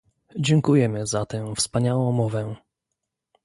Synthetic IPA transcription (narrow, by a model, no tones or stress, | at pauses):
d͡ʑɛŋkujɛmɘzat̪ɛ̃fspaɲawɔ̃w̃mɔvɛ